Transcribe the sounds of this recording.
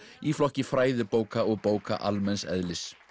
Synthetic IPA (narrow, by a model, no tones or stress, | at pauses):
iflɔhcɪfɾaːjðɪpoːwkaɔɣpoːwka̰ʔalmɛnsɛ̰ðlɪs